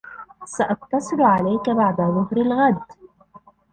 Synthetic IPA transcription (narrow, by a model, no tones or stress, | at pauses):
saʔɑq̚t̪ɑsˤɨlʕalajkabaʕd̪aðˤʊɦɾɪlɣad̪